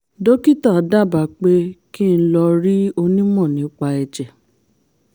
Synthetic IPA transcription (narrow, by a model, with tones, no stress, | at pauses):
do˦ki˦ta˦˨da˦˨ba˨k͡pe˦ki˦n̩˦lɔ˧ɾi˦o˧nĩ˦mɔ̃˦˨nĩ˨˦k͡pa˧ɛ˨d͡ʒɛ˨